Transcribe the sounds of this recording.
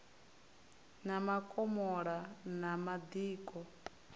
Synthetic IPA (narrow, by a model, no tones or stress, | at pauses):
namakʼɔmɔɺanamad̪iːkʼɔ